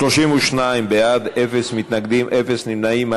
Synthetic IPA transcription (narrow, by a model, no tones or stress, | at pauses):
t̪oʃimuʃnajmbead̪efesmit̪naɡd̪imʔɛfesnimnaima